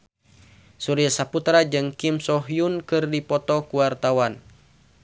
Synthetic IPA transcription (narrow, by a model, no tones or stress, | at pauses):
suɾijasaput̪ɾad͡ʒɨŋkimsɔɦjunkɨrdipɔt̪ɔkuwart̪awan